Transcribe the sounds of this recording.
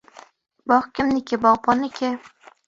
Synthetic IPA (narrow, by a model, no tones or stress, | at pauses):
bɒχkʲʰɪmnɪkʲʰɪbɒʁbɒnɪkʲʰɪ